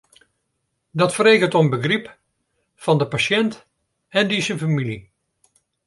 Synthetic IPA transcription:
dɑtfərejkəntɔmbəχrip | fɑndəpaʃɛnt | ɛndizənfamili

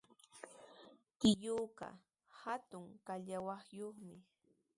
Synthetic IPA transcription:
kɪʎuːqɑ̰ | hat̪ʊŋkaʎawɑχjoχmɪ

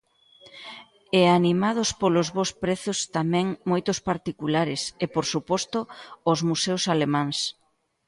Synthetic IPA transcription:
eanimað̞ʊspolozβospɾeθʊst̪amɛ̃ŋmojt̪ʊspaɾt̪ikulaɾɪsepoɾsupɔst̪ʊozmusewsalemãŋs

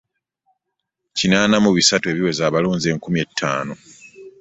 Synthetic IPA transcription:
cinaːnamuβisatue̞βiwe̞zaːβaloːnzie̞ːŋkumie̞tʰːa̰ːno̞

